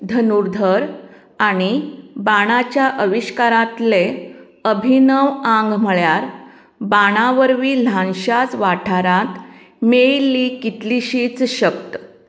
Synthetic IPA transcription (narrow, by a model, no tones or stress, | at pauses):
d̪ʱənuɾd̪ʱəɾ | aɽ̃ibaɽ̃at͡ɕjaʔəʋiɕkaɾat̪le | əbʱinəʋãŋɡm̤əɭjaɾ | baɽ̃aʋəɾʋiːl̤ãnɕat͡sʋaʈʰaɾat̪ | meɭilːikit̪liɕiːt͡sɕək̚t̪ə